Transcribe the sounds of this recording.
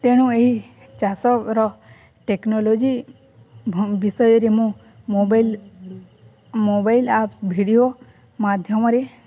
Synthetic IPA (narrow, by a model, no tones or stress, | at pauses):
t̪eɽ̃ũeɦi | t͡ʃasɔɾɔ | ʈeknolod͡ʒi | ʋisɔjɔɾemũ | obl | mobailapsbʱiɽijo | mad̪ʱjɔmɔɾe